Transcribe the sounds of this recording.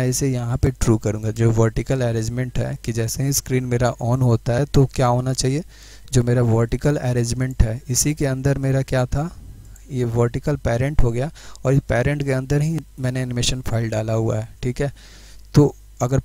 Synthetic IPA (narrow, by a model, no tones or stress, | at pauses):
ɛ̃ɪsejɐɦãpeʈɾuːkɐɾũːŋɡad͡ʒoːʋəɾʈɪkəlɛːɾẽːd͡ʒmẽɳʈɦɛ̰ːkid͡ʒɛːseɦiskɾiːnmeːɾaʔɔːnɦoːt̪aɦɛt̪okjaːɦoːnat͡ʃaːɦie | d͡ʒoːmeːɾaʋəɾʈɪkəlɛːɾẽːd͡ʒmẽɳʈɦɛːɪsikeɐ̃nd̪əɾmeːɾakjaːt̪ʰa | jeʋəɾʈɪkəlpɛːɾɛ̃ɳʈɦoɡɐjaɔːɾɪspɛːɾɛ̃ɳʈkeɐ̃nd̪əɾɦĩmɛːneɛːnɪmeːʃənfʰaːɪlɖaːlaɦua̰ɦɛːʈʰiːkɦɛː | t̪oː | ɐɡəɾ